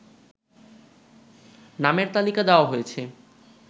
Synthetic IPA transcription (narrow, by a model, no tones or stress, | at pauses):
nameɾt̪alikad̪eoaɦojet͡ɕʰe